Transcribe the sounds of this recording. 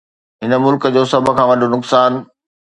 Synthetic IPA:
ɦɪnə̆mʊlkəd͡ʑoːsɐbʱə̆kʰãːʋɐɖʱonʊksaːn

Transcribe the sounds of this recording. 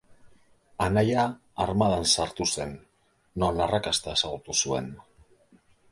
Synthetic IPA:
anajaː | ɾmaðansaɾt̪use̞nː | onarakast̪ae̞saɣ̞ut̪usue̞̰n

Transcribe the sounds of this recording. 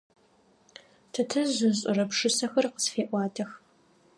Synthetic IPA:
tʰɐtʰɐʑʷʊɕʼʊrɐpʂɨsɐxɐrqə̥sfeːʔʷɑːtʰɐx

